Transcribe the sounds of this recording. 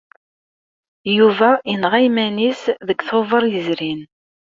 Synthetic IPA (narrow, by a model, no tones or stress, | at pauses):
juvæənʁæjmænisðəkʷːθovˤəɾˤjəzɾin